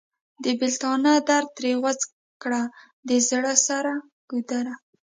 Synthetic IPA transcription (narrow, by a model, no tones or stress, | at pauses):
d̪əbɪlt̪ɑnɑd̪aɾt̪ɾewat͡s | kɽa | d̪əzɽəsaɾa | ɡ̥ud̪aɾa